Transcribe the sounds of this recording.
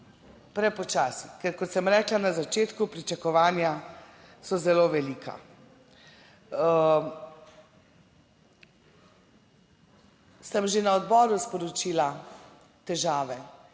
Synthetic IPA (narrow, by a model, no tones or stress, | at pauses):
pɾɛpɔt͡ʃaːsikɛɾkɔt̪səmɾɛːklanazat͡ʃeːt̪kupɾit͡ʃakɔʋaːnja | sɔzɛloːʋɛliːkʰa̰ | səmʒenaɔd̪bɔːɾuspɔɾɔt͡ʃiːla | t̪ɛʒaːʋɛ